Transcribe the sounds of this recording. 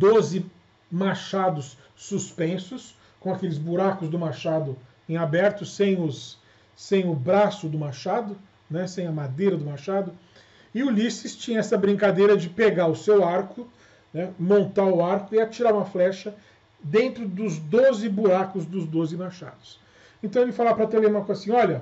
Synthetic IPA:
d̪ozɪ | maʃad̪ʊsː | uspẽsʊs | kõakelɪzbuɾakʊzd̪ʊmaʃad̪ʊ | ẽabɛɾt̪ʊsẽj̃ʊsː | ẽj̃ʊbɾasʊd̪ʊmaʃad̪ʊ | nɛsẽj̃ɐmad̪ejɾɐd̪ʊmaʃad̪ʊ | ɪʊlisɪst͡ʃĩɲɐɛsɐbɾĩŋkad̪ejɾɐd͡ʒɪpeɡaʊsewaɾkʊ | nɛmõnt̪aʊaɾkʊiat͡ʃiɾaɾũmɐflɛʃɐ | d̪ẽnt̪ɾʊd̪ʊzd̪ozɪbuɾakʊzd̪ʊzd̪ozɪmaʃa̰d̪ʊs | ẽnt̪ɐ̃w̃elɪfalavɐpɾɐt̪elemaɾkzasĩɔʎɐ

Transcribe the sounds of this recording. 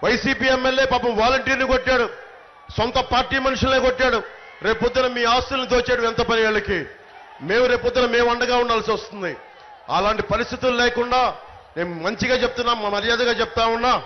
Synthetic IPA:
ʋɐjsiːpiːɛmːelje̞ːpaːpɐmʋaːlɐɳʈiːɾnikoʈːaːɽu | sont̪ɐpaːɾʈiːmɐnuʂulnekoʈːaːɽu | ɾe̞ːpod̪ːɐnɐmiːaːst̪ɐlɐnid̪o̞ːt͡ʃeːɽɐmɛnt̪ɐpɐnijaɭːɐki | me̞ːmuɾe̞ːpod̪ːinɐme̞ːmɐɳɖɐɡaːuɳɖaːlsiʋɐst̪und̪i | ɐ̰laːɳʈipɐɾist̪it̪ululɛːkuɳɖaː | ne̞ːnumɐɲt͡ʃiɡaːt͡ʃep̚t̪unːaːmɐɐɐɾijaːd̪ɐɡaːt͡ʃɛp̚t̪aːmunːaː

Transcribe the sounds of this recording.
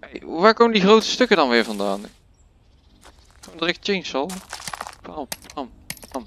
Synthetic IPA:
ḛjʋaːɹkoːməndiχrowtə̥stɵkədɑnʋɪːɹvɑndaːn | kondəʁɪkt͡ʃejnsɑlˠpampmpam

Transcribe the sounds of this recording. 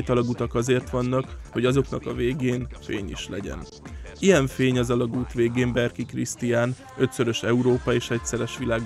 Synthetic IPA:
jt̪ɒlɒɡut̪ɒkɒzeːrt̪ʋɒnːɒkho̞ɟɒzo̞knɒkɒveːɡeːnfeːɲḭʃlɛ̰ɟɛ̰n | ijɛɱfeːɲɒzɒlɒɡuːt̪ʋeːɡeːmbɛrkikrḭst̪ijaːn | ø̞t̪sø̞ɾø̞ʃɛuɾoːpɒeːʃɛcsɛɾɛʃʋilaːɡ

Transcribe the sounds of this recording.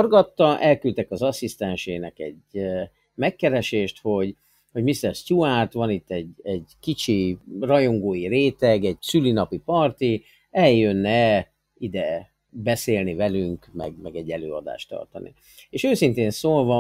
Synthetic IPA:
orɡɒt̪ːɒʔɛlkylt̪ɛkɒzɒsist̪ɛnʃeːnɛkɛ̰ɟ | mɛkːɛɾɛʃeːʃt̪ho̞ɟ | ho̞ɟmist̪ɛrscuaːrt̪ʋɒnit̪ːɛɟɛɟkit͡ʃirɒjo̞ŋɡoːjiɾeːt̪ɛɡɛɟsylinɒpipɒrt̪i | ɛjːønːɛ | id̪ɛ | bɛseːlnivɛlyŋkmɛ̰ɡmɛɡɛɟːɛløːɒd̪a̰ːʃt̪ɒ̰rt̪ɒnḭ | eːʃøːsint̪eːnsoːlvɒ

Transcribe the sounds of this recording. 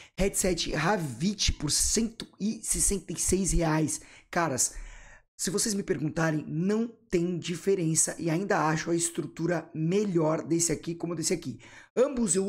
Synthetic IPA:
hɛd͡ʒsɛt͡ʃɪɦavit͡ʃɪ̥poɾsẽnt̪ʊɪsesẽnt̪ejsejsheajskaɾɐsː | ɪvosejzmɪpeɾɡũnt̪aɾẽj̃nɐ̃w̃t̪ẽj̃d͡ʒifeɾẽsɐʔɪaĩnd̪ɐaʃʊɐɪst̪ɾut̪uɾɐmeʎɔɾd̪esɪakikõmʊewd̪esiaki | ɐ̃bʊzew

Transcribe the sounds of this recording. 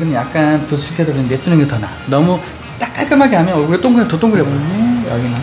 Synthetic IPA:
ɡɯnɯnjak̚k͈anpus̬ʰuɕikʰesokɯnɯmet͈ʰɯnɯnŋɡetʌna̰ | nʌmu | t͈ak͈aɭk͈ɯmɦaɡeɦamjʌnkɯɾet͈oŋɡɯɾetot͈oŋɡɯɭɾeboʌ̰ɡina

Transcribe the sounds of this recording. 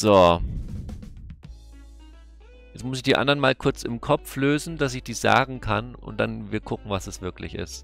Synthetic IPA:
z̥oː | jɛt͡smʊsɪçd̥iːʔa̰ndəɐənmaːlkʰʊɐt͡sɪmkʰɔp͡fløːzn̩d̥asɪçd̥iːz̥a̰ːɡŋ̩kʰanʔʊ̰nt̚d̥anviːɐkʰʊkŋ̩vasdɛsv̥ɪɐklɪ̰çɪ̰st

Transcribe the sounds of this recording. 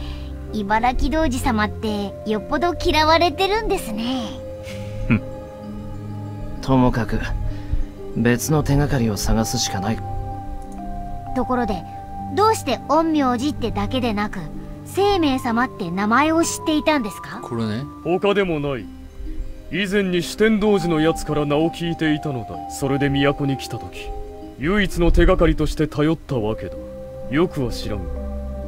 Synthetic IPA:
ibaɾakʲid̪o̞ːʑisamat̪ːe̞jo̞pːo̞d̪o̞kʲiɾaβaɾe̞t̪e̞ɾɯ̟̃nd̪e̞sɨne̞ | t̪ʰo̞mo̞kakɯ̟ | be̞t͡sɨno̞t̪e̞ŋakaɾʲio̞saɡasɨɕi̥kanai | t̪o̞ko̞ɾo̞d̪e̞ | d̪o̞ːɕi̥t̪e̞õ̞mːʲioːʑit̪ːe̞d̪ake̞d̪e̞nakɯ̟ | se̞ːme̞ːsamat̪ːe̞namae̞o̞ɕi̥t̪ːe̞it̪ãnd̪e̞sɨ̥kakʰoɾeneho̞kad̪e̞mo̞nai | izẽ̞ɲ̟ːiɕi̥t̪ẽ̞nd̪o̞ːʑino̞jat͡sɨ̥kaɾanao̞kʲiːt̪e̞it̪ano̞d̪a̰so̞ɾe̞d̪e̞mʲijako̞ɲ̟ikʲi̥t̪at̪o̞kʲi̥ | jɯ̟ːit͡sɨno̞t̪e̞ɡakaɾʲit̪o̞ɕi̥t̪e̞t̪ʰajo̞t̪ːaβake̞d̪a | jo̞kɯ̟βaɕiɾanɯ

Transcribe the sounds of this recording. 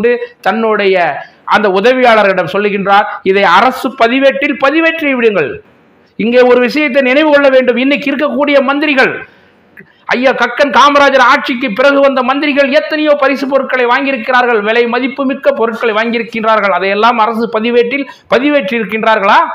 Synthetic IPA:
ɖɯt̪ɐnːɯɽɐjɐ | ʔɐnd̪ɐʊðɐʋɪjaːɭɐɾɣɐɪɽɐmsɔlːɯɣɪndraːɾɪðɐɪɐrɐsɯpɐðɪʋeːʈːɪlpɐðɪʋeːʈriɛʋɪɽɯŋɡɐɭ | ɪŋɡeːɔɾɯʋɪʂɐjɐt̪ːɐnɪnɐɪʋɯkɔɭːɐʋeːɳɖɯmɪnːɐɪkːɪɾɯkːɐkːuːɽɪjɐmɐnd̪ɪɾɪɣɐɭ | ʔɐjːaːkɐkːɐnkaːmɐɾaːd͡ʒɐɾaːʈ̚t͡ʃɪkːɯpːɪɾɐɣɯʋɐnd̪ɐmɐnd̪ɪɾɪɣɐɭɪjɛt̪ːɐnɐjoːpɐɾɪsɯpɔɾɯʈ̚kɐɭɐɪʋaːŋɡɪɾɯkːɪɾaːɾɣɐɭʋɛɭɐɪmɐðɪpːɯmɪkːɐpɔɾɯʈ̚kɐɭɐɪʋaːŋɡɪɾɯkːɪndraːɾɣɐɭɐðɐjɛlːaːmɐɾɐsɯpɐðɪʋeːʈːɪl | pɐðɪʋeːʈrɪɾɯkːɪndraːɾɣɐɭaː

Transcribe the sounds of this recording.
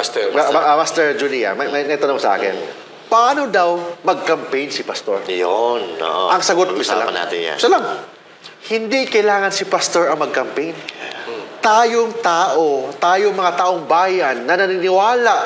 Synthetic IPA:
st̪ɛʔamast̪ɛɹd͡ʒuliɐ̰mɐmɐjnɛt̪oɐmansɐʔa̰ːkɪ̰n | pɐʔaːno̞d̪awmɐɡ̚kɐmpɛjnsɪpɐst̪o̰ɹjono̰ʔo̰ʔɐŋsɐɡot̪sɐla̰mɐna̰ːt̪ɪ̰a̰sɐlaŋ | hɪnd̪ikɐjlaːŋɐnsɪpast̪oɹɐŋmɐɡ̚kɐmpɛjn | t̪aːjoŋt̪aːʔot̪aːjoŋmɐŋat̪aʔoŋbaːjɐnːɐnɐnɪnɪwaːlaʔ

